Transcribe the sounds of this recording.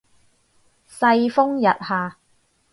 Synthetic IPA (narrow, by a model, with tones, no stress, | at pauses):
sɐ˧jfʊ˥ŋjɐ˨t̚haː˨